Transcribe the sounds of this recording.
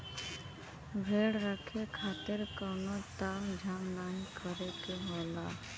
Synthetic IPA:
bʱeːɽɾəkʰekʰaːt̪ɪɾkɔnot̪aːmd͡ʒʱaːmnaːnkʰəɾekeɦoːla

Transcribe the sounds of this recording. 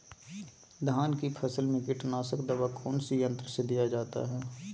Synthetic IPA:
d̪ʱaːnkipʰɐsəlmɪkɪʈnaːsəkd̪ɐbakʊnsijə̃nt̪ɾəsed̪ijad͡ʒaːt̪a̰ɦɛː

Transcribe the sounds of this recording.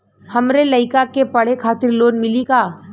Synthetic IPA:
hɐmɾelɐɪkakepɐɽ̤ekʰaːt̪ɪɾloːnmɪlikaː

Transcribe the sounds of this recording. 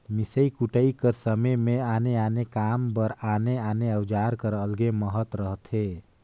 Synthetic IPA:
misəikuʈəikəɾsəməmeaneanekambəɾaneaneəwd͡ʒaɾkəɾəlɡeməɦət̪ɾəɦt̪ʰe

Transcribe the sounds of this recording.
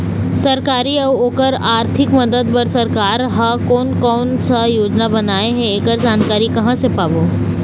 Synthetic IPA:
sɐɾkaːɾiɐʋoːkəɾaːɾt̪ʰɪkmɐd̪əd̪̚pɐɾsɐɾkaːɾɦakɔːnkɔːnsajoːd͡ʒnabɐnaːeɦɛ̃eːɡəɾd͡ʒaːnkaːɾikɐɦãsepaːboː

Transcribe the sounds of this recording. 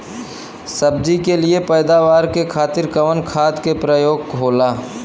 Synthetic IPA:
səb̚d͡ʒikeliepɛːd̪aːʋaːɾkekʰaːt̪ɪɾkəʋənkʰaːt̪kepɾəjoːɡ̚kʰoːlaː

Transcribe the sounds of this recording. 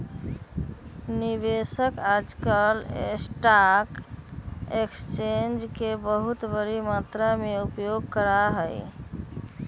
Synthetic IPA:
nibesəkad͡ʒkəlesʈak | ekst͡ʃend͡ʒkebəɦut̪bəɾimat̪ɾameupjoɡ̚kəɾaɦəj

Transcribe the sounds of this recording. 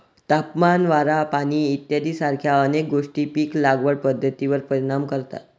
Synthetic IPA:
t̪apmanʋaɾapaɽ̃iːt̪jad̪iːsaɾkʰjaənek̚ɡoʂʈiːpiːklaɡʋəɽpəd̪ʱːət̪iʋəɾpəɾiɽ̃amkəɾt̪a̰t̪

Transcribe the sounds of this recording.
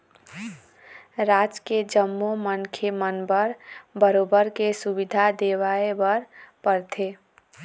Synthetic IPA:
ɾad͡ʒked͡ʒəmːomənkʰemənbəɾbəɾoːbəɾkesubid̪ʱad̪ewaebəɾpəɾt̪ʰe

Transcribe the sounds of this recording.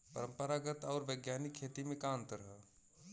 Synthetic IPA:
pəɾə̃mpəɾaɡət̪ɔːɾʋəɡjaːnɪkʰːeːt̪imẽkãːnt̪ɾəɦə

